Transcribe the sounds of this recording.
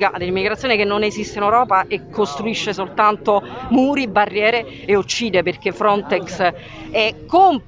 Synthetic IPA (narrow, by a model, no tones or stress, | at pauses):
kad̪elːimiɡɾat̪sːjoːnikenːonezist̪einewɾɔːpaʔekʰːost̪ɾuiʃːesolt̪ant̪omuːɾibarːjɛːɾeː | ut͡ʃːiːd̪eperk̟efːɾɔnt̪ɛks | ɛkːom